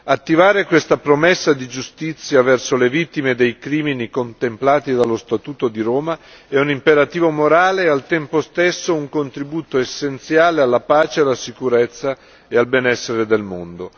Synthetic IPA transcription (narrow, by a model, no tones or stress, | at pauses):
at̪ːivaːɾekwest̪apɾomesːad̪id͡ʒust̪it̪sːjavɛrsolevit̪ːimed̪ejkɾiːminikont̪emplaːt̪id̪alːost̪at̪uːt̪od̪iɾoːma | ɛunimpeɾat̪iːvomoɾaːlealt̪ɛmpost̪esːouŋkont̪ɾibuːt̪oesːent̪sjaːlealːapaːt͡ʃealːasikuɾet̪sːa | ealbɛnɛsːeɾed̪elmond̪o